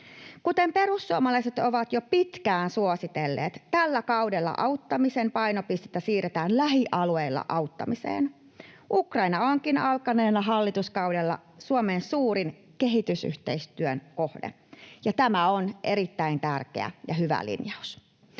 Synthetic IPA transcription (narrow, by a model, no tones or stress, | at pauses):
kut̪empe̞ɾusːuomɑlɑiset̪o̞ʋɑt̪jopit̪kæːnsuosit̪elːḛːt̪t̪ælːækɑudelːɑ̰ʔɑwt̪ːɑmisempɑjnopist̪et̪ːæsiːret̪æːnlæɦiʔɑlueilːɑ̰ʔɑut̪ːɑ̰misḛːn | ʔukrɑinɑoŋkinɑlkɑneːnɑɦɑlːit̪uskɑwdelːɑ̰ | suomeːnsuːɾin | keɦit̪ysy̰ht̪eist̪yønko̞hdḛ | jɑt̪æmæonʔe̞ɾit̪ːæint̪ærkḛæ̰jɑɦyʋæ̰lḭnjɑus